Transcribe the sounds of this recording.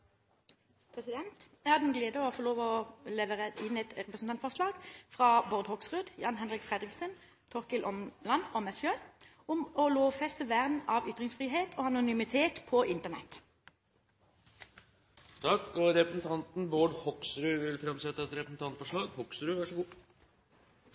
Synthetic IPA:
pʰʁɛsɪd̪ɛnt̪ | æhɑd̪ɛnɡleːd̪əɔfɔʁloːʋɔlɛʋəʁəɪnɛt̪ʁɛpəsn̩t̪ɑnt̪fɔʁʂlɑːɡ̥fʁɑːbɔʁd̪hɔksʁʉːd̪jɑːnɦɛnʁɪkfʁɛd̪ʁɪksən | t̪ʰɔʁkɪlʔɔmlɑnɔmɛsçøː | ʊmɔloːʋfɛst̪əʋæːʁd̪n̩ɑːʋʏt̪ʁɪŋsfʁiːɦeːt̪ʰoːɑnʊnʏmɪt̪ʰeːt̪pʰɔʔɪnt̪əʁnɛ̰t̪ | t̪ʰɑkːɔɾɛpɾəsn̩t̪ʰɑnt̪n̩boːɖhɔksɾʉʋɪlfɾɛmsɛt̪ːəɛt̪ɾɛpəsn̩t̪ɑnt̪fɔʂɭɑːɡhɔksɾʉʋæʂɡuː

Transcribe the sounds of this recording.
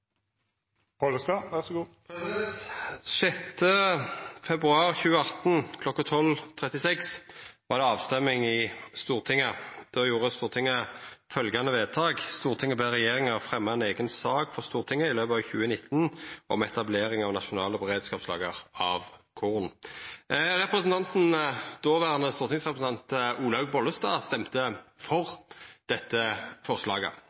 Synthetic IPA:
poləst̪ɑʋæʁsɔɡuːpʰɛsɛt̪ʃɛt̪ːə | fɛbʁʉɑːʁçʉːəɑt̪nkʰlɔkːət̪ʰɔlt̪ʰʁɛt̪ɪsɛksʋɑʁd̪ɛɑːʋst̪ɛmɪŋɪst̪uːʁt̪ʰɪŋːəd̪̥ɔjuːʁəst̪uːʁt̪ʰɪŋːəfœlɡɑnəʋeːt̪ʰɑːɡst̪uːʁt̪ʰɪŋːəbeːʁɛjeːʁɪŋəʁfʁɛmːɑɛneːɡənsɑːɡfɔʁst̪uːʁt̪ʰɪŋːəɪløːpəɑʋçʉːənɪt̪ʰːnʔɔ̰mɛt̪ɑbleːʁɪŋɑʋnɑʃʊnɑːləbɛʁeːd̪skɑːpslɑ̰ːɡəʁɑʋkʰuʁn | ʁɛpɾəsn̩t̪ɑnt̪n̩d̪̥oːʋæːʁnəst̪uːʁt̪ɪŋsʁɛpɾəsn̩ɑnt̪ʔuːlɑʉɡ̚bɔləst̪ɑːst̪ɛmt̪əfɔʁd̪̥ɛt̪ːəfɔʁslɑːɡə̰

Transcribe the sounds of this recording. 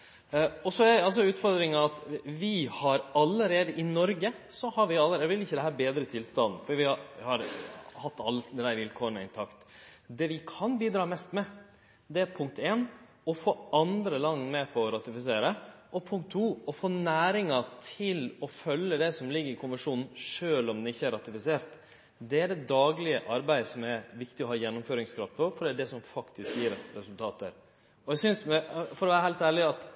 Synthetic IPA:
ɔsɔæɾɛɑls̬ɔʉːt̪fɔɾd̪ɾɪŋɑɑt̪ʋɪhɑɾɑlːəɾeːd̪əʔɪnɔɾɡəsɔhɑɾʋɪɑlːəɾɛʋɪlɪçːəd̪ɛɦæːɾbeːd̪ɾət̪ʰɪlst̪ɑn̩ːfɔiʋɪɑhɑɾhɑt̪ːɑlːd̪ɛd̪æɪɾʋɪlkʰoːəɳɔɪnt̪ʰɑkt̪d̪ɛʋɪkʰɑnbiːd̪ɾɑːmɛst̪mɛ | d̪ɛæɾpʰʊŋk̚t̪eːn | ɔfoːɑnd̪ɾəlɑŋmɛpʰɔːɾɑt̪ɪfɪseːɾəʔɔpʰʊŋk̚t̪ʰːuːɔfoːnæːɾɪŋɑt̪ʰɪlɔfœlːəd̪ɛsɔmlɪɡːəɾɪkʰʊməʂuːnn̩ʂøːlɔmd̪ɛnɪçːəæɾɑt̪ɪfɪseːɾt̪ | d̪ɛæɖɛd̪ɑːɡlɪəʔɑɾbæɪsɔmæɾʋɪkt̪ɪɔɦɑːjɛnːʊmføːɾɪŋskʰɾɑft̪pɔfɔɾɖɛdɛsɔmfɑkt̪ʰɪskjiːɾɾɛsʉlt̪ʰɑːt̪ə̰ɾ | ɔɛsʏnsmɛfɔɾɔʋæːɾəɦæɪlt̪æːɭɪɑt̪

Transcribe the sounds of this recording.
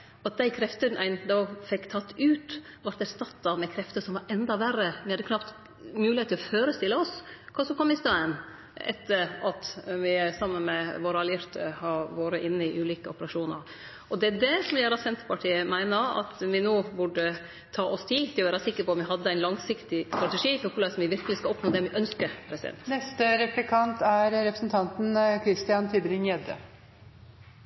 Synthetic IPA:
ɑt̪̚d̪æɪkʰɾɛft̪ənʔæɪnd̪ɔfɛkːt̪ʰɑt̪ːʉːt̪ | ʋɑɾʈ̪æɾst̪ɑt̪ːɑmɛkʰɾɛft̪əsɔmʋɑɾʔɛnd̪ɑʋærəʋɪhɑd̪ːəkʰnɑpt̪ | mʉːlɪeːt̪ʰːɪlɔføːɾəst̪ɪlːəɔskʰɑsɔmkʰɔmːɪst̪ɑːən | ɛ̰t̪ːəɾɑt̪ʋɪæɾsɑmːənmɛʋoːɾɑljɪɾt̪ʰə̰hɑɾʋoːɾəʔɪnːəɪʔʉːliːkəɔpəɾɑʂuːnə̰ɾ | ʔɔd̪ɛæɖ̪ɛsɔmʋɪjæːɾɑsɛnt̪ə̥pɑʈʰiːəmæɪnəɑ̰t̪ʋɪnoːbʊɖə | t̪ʰɑːʔɔst̪ʰɪlt̪ɪlɔʋæːɾɑsɪkːəɾpɔmʋɪɦɑd̪ːəæɪnlɑŋsɪkt̪ɪst̪ɾɑt̪ɛʂiːfɔɾkʰʉlɑsɔmʋɪʋɪɾkəlɪskɑɔpnoːd̪ɛʋɪʔœnskəɾpʰɾɛsɪd̪ɛ̰nt̪nɛst̪əɾɛplɪkʰɑnt̪æɾɾɛpɾəsn̩t̪ʰɑnt̪n̩kʰɾɪst̪ɪjɑnt̪ʰybɾɪnjɛd̪ə̰

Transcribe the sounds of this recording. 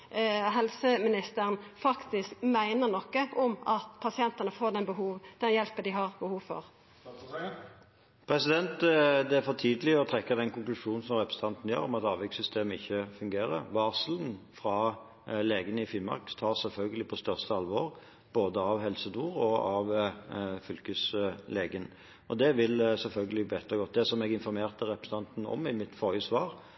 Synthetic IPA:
ɦɛlsəmɪnɪst̪əɾnfɑkt̪ɪskmæɪnəʁnɔkːəʔɔmɑt̪pʰɑsɪɛnt̪ɑnəfoːd̪ɛnbəɦuːʋd̪̥ɛnjɛlpəd̪ɪɦɑʁbəhuːʋfɔ̰ʁ | pʰɾɛsɪd̪ɛnt̪d̪ɛæɾfɔt̪ʰiːd̪əlɪɔt̪ʰɾɛkːəd̪ɛnkʊŋklʉʂuːnn̩sɔmʁɛpɾɛs̩t̪ʰɑnt̪n̩jø̰ːʁɔmɑt̪ɑːʋɛksʏst̪eːməɪ̰çːəfʉŋɡeːɾə̰ʋɑːslənfɾɑ | leːɡənəɪfɪnmɑ̰ʁkt̪ʰɑːsɛlfœlɡəlɪpʰɔst̪œʁst̪əɑlʋɔːʁ | b̥oːd̪əɑʋɦɛlsəd̪uːʁɔɑʋ | fʏlkʉsleːɡən | ɔd̪ɛʋɪlsɛlfœlɡəlɪbeːt̪ʁəɡɔt̪̚d̪ɛsɔmɛɡɪnfɔɾmeːʁt̪əɾɛpɾəsət̪ʰɑnt̪n̩ɔ̰mɪmɪt̪fɔɾjʉsʋɑːʁ

